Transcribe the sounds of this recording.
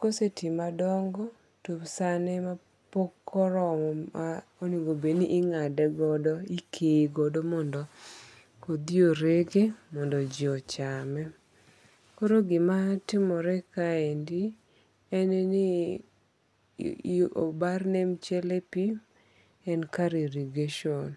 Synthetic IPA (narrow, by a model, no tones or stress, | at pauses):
kosetimadɔŋɡɔ | tupsanɛma | pokʰːɔɾɔma | oniɡobeniʔːŋadɛɡɔdɔikʰeɡɔdɔmɔndɔ | kod̪ioɾeɡemɔndɔd͡ʒɔt͡ʃamɛ | koɾoɡɪmatɪmɔɾɛkaendi | ɛneni | o̰barnemt͡ʃɛlepim | ɛnkaɾeɾiɡeʃon